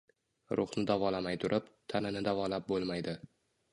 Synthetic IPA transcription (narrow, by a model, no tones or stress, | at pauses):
ɾʊχnɪd̪avɒlamajt̪ʰʊɾʔɪpt̪ʰanɪnɪd̪avɒlap̚bolˠmajd̪ɪ